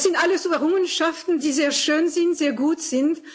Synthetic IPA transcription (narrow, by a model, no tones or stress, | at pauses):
sz̥ɪntʔaləsuvɛʁʊŋənʃaftn̩diːzeːɐʃøːnzɪntz̥eːɐɡuːtz̥ɪnt